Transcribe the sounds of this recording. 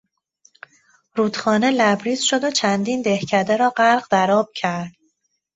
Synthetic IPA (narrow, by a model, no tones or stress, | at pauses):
ɾuːd̪̥xɒːne̞læbɾiːzʃo̞d̪ot͡ʃʰænd̪iːnd̪e̞hcʰæd̪eɾɒːɢæɾɢd̪æɾɒːb̥̚cʰæɾd̪̥